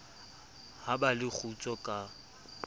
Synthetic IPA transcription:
habalɪk͡xʰut͡sʼɔkʼa

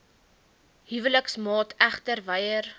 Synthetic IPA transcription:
ɦivələksmɑːtæχtərvəjər

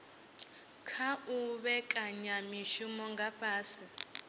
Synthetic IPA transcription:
kʰauɓɛkʼaɲamiʃumɔŋɡʱapʰʼaːsi

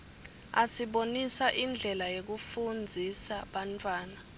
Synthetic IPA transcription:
asiɓonisaʔind͡ɮʱɛlajok̬ufund͡zʱisaɓantʰʼwaːna

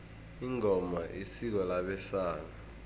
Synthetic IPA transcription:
iŋʱɔmaʔisik̬ɔlaɓɛsaːna

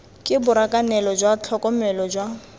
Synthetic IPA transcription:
kʼɪbʊɾakʼanɛlɔd͡ʒwat͡ɬʰɔkʼɔmɛlɔd͡ʒwa

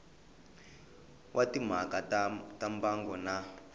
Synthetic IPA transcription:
wʔatim̤akatambaŋɡɔna

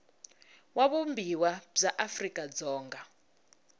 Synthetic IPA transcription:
waɓumbʱiwab͡ʐaʔafrikʼad͡zɔːŋɡʱa

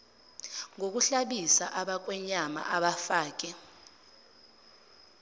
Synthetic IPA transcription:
ŋok̬uɬaɓisaʔaɓak̬wɛɲama̰ʔaɓafaːk̬ʼɛ

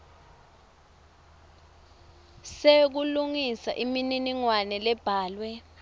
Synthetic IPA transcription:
sek̬uluŋisa̰ʔimininiŋwanɛlɛb̥ʱaːlwɛ

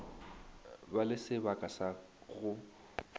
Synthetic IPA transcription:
balɪsɪbakʼasa | ɣʊ

